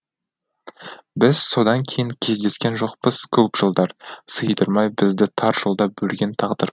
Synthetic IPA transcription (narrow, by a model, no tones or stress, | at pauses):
bɪz̥so̞d̪ɑŋkʲʰe̞jɪŋkʲʰe̞zd̪e̞skʲe̞nʒo̞qpəz̥kʲʰɵpʒ̥əlˠd̪ɑɾsəjd̪əɾmɑjbɪzd̪ɪt̪ʰɑɾʒ̥olˠd̪ɑbɵlɡʲe̞nt̪ʰɑʁd̪əɾ